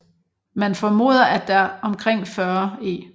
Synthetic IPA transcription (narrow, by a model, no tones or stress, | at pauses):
mænfɒmo̝̰ːð̰ˠɐæd̥æɐɒ̽mkʰʁeŋ̰fɶːɐḛː